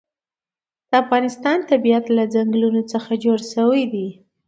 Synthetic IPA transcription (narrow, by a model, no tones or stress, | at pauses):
d̪̥əafɣɑnɪst̪ɑnt̪abijat̪lad͡zaŋɡlunot͡səxad͡ʒoɽʃəwajd̪i